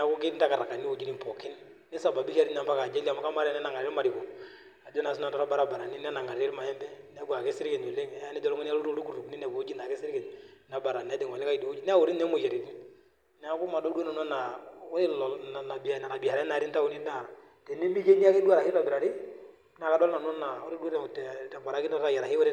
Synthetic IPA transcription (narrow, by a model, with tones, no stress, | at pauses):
n˦a˨˦kʊ˦kɪ˦nta˦ka˨ɾa˨ka˨ni˦o˨d͡ʒi˦ni˦mpɔ˨kɪ˦n | nɪ˦sa˨ba˨bi˦ha˦ɾi˦n˨a˨mba˦ka˨d͡ʒe˦la˨ma˨ka˦ma˦ɾɛ˦nɛ˦na˨ŋa˨ɾe˦ɾma˨ɾɪ˨kɔ˨ | a˨d͡ʒɔ˦na˨su˦na˦˨tɔ˦ɔ˦ba˨ɾa˨ba˨ɾa˨ni˦n˦a˦na˨ŋa˨ɾe˦ɾma˨jɛ˦mbɛ˦nɛ˦ɡu˨a˨kɪ˦sɪ˦ɾkɛ˨ɲo˨le˦ŋ˨˦a˦nɛ˦d͡ʒɔ˨lɔ˦ɔ˦n˦a˦lu˦ɾo˦ɾu˦ku˨ɾu˨kni˦nɛ˨ko˨o˦d͡ʒi˦na˨kɪ˦sɪ˦ɾkɛ˨nna˨˦ba˨ɾa˨nɛ˦dɛ˨ŋɔ˨lɛ˦ka˦i˨do˨o˦d͡ʒi˦nɛ˦a˦o˨ɾi˦nɛ˦mo˨ja˨ɾi˨ɾi˦ | nɛ˦a˦ku˦ma˨dɔ˦du˦o˦na˨n˦ɔ˦na˨˦ɾɪ˦lɔ˨na˨na˨bi˨a˨na˨ɾa˨bi˨a˨ɾa˦na˨ɾi˦nta˦u˨ni˦da˨ | tɛ˨ni˦mi˦ke˦ni˦a˦ki˦du˦a˨ɾa˨hi˦lɔ˨bɪ˨ɾa˨ɾi˦ | na˨ka˨dɔ˦lna˨n˦ɔ˦na˨o˦ɾi˦du˦o˦ɾɛ˨tɛ˨tɛ˨ba˨ɾa˦ki˦na˦ɾa˦ja˨ɾa˨ki˦wʊ˦ɾɪ˦